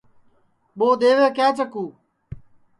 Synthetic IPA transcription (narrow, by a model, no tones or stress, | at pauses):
ɓoːɗ̪eːʋeːkɛːt͡ʃəkuː